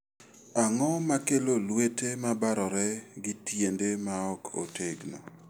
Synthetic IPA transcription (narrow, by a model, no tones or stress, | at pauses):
aŋɔmakelolwetemabaɾɔɾɛɡɪtjendemaɔkʰo̰tʰeɡno̰